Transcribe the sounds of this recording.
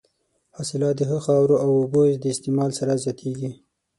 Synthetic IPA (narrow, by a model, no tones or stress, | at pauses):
hɑsɪlɑd̪əɦəxɑwɾoʔawobozd̪əɪst̪emɑlsaɾazjɑt̪ʰeɡi